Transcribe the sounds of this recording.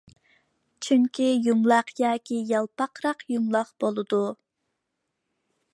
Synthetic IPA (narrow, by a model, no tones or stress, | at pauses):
t͡ʃʰyŋkʲijumlˠɑqjɑːkʲijɑlˠpɑqɾɑqjumlˠɑqb̥olˠɨd̪u